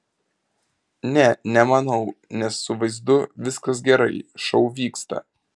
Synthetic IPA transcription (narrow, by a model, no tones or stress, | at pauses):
nʲɛnʲɛmɐnɐʊnʲɛsːʊʋɐɪzd̪ʊʋʲɪskɐs̬ɡʲɛɾɐɪʃɒʊʋʲiːkst̪ɐ̰